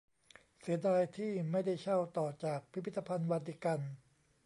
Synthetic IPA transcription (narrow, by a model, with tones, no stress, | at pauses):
si˩˦ɐdaː˧jt̪ʰiː˥˩ma˥˩jda˥˩jt͡ɕʰa˥˩wt̪ɔː˨˩t͡ɕaː˨˩k̚pʰɾpʰi˥˩t̪ːa˧pʰa˧nwaː˧t̪ʰi˦˥˩ka˧n